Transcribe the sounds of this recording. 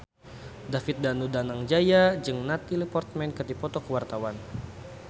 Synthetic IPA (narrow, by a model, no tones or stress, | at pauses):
dafit̪̚danudanaŋd͡ʒajad͡ʒɨŋnat̪ilipɔrt̪̚mɛnkəd̪ipɔt̪ɔkəwart̪awan